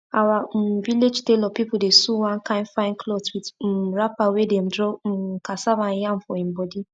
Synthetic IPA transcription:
awaviled͡ʒtelɔpipʊdesuwãnkãɪ̃nfaɪ̃nkloswidm̩ɾapawedem̩dɾɔm̩kasabanjam̩fɔĩm̩bɔdi

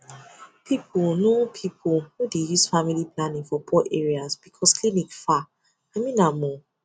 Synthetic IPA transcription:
pʰipʰʊlnopʰipʰʊlhudejusfamiliplanĩŋfɔpʰɔʔeɹiasb̥ikʰɔsklinikfa | amĩnamɔ

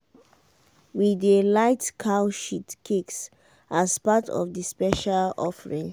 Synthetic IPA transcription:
widəlaɪtkʰawʃitkʰiks | ʔaspatʰɔ̰vdəspɛʃalɔfəɹĩŋ

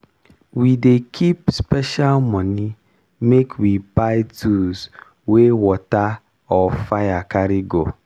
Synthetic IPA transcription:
widekʰipspɛʃalmɔni | mekʰwipajtuz | wewɔta | ɔfajakaɾiɡo

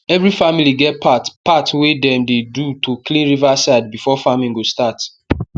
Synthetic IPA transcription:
ɛvɹifamiliɡɛt̚pʰatpatwedɛ̃mdedutoklĩnɹivasaɪd̚bifɔfamĩŋɡostat

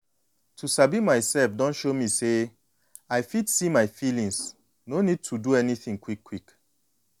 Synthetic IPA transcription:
tʰusabimaɪsɛlfdɔ̃nʃomise | aɪfidsimaɪfilĩŋs | nonid̚tʰuduɛniθĩŋkwikʰːwik

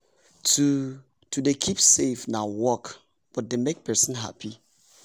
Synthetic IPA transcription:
tʰu | tʰudekʰipsefnãwɔk | b̥ɔt̚demek̚pʰɛ˞sə̃nɦa̰pʰi

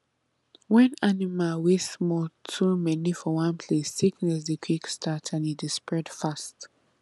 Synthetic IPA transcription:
wɛ̃nanimalwesmɔltʰumɛnifɔwãnpʰlesːiknɛsdəkʰwikstʰatʰãnitispɹɛd̥fast

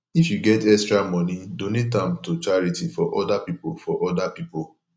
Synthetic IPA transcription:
ifjuɡɛtɛkstɹamɔ̃nidõnitãmtot͡ʃaɹitifɔʔɔdapipolfɔʔɔdapipo

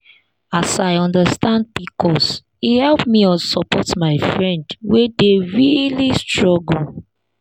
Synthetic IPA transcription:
asaɪɔ̃ndəstãnd̚bikʰɔs | ihɛlpmiɔsɔpʰɔtmaɪfɹɛ̃ndwedeɹilistɹɔɡl̩

